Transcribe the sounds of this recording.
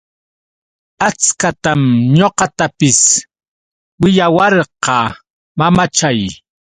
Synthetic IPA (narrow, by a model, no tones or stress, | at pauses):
at͡skat̪amɲoqɑt̪apɪs | wɪʎawɑɾqɑ | mamat͡ʃaj